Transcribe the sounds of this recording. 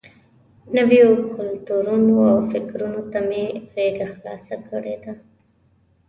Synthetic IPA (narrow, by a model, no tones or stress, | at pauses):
nəwejokʊlt̪uɾunoawfɪkɾunot̪ameɣeɡaxlɑ̰sakəɽed̪a